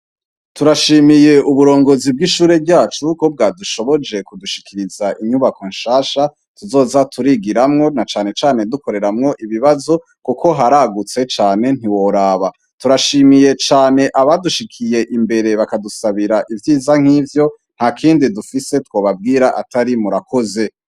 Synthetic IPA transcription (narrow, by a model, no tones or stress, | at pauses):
tuɾaʃiːmije̞ʔuβuɾo̞ːŋɡo̞zib̚ɡiʃuːɾe̞bɟaːt͡ʃuko̞b̚ɡaːduʃo̞βo̞d͡ʒe̞kuduʃi̥kʰiɾizaʔiɲuβako̞nʃaːʃa | tuzo̞ːzatʰuɾiɡiɾamŋo̞nat͡ʃaːne̞t͡ʃaːne̞duko̞ɾe̞ɾamŋo̞ʔiβiβazo̞ | kukʰo̞ɦaɾaɡut͡se̞t͡ʃaːne̞n̥iwo̞ɾaːβa | tuɾaʃimije̞t͡ʃaːne̞ʔaβaduʃikʰije̞ʔimbe̞ɾe̞βakadusaβiɾaʔivjiːzaŋ̥hiːvjo̞ | n̥hakʰiːndidufise̞two̞ːβab̚ɡiːɾaʔa̰taɾimuɾakʰo̞ze̞